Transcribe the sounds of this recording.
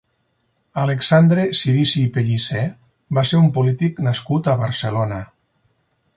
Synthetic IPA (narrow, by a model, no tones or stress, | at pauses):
aleksand̪ɾesilisipeʎisɛ | baseɾumpulit̪iknaskut̪aβəɾselonə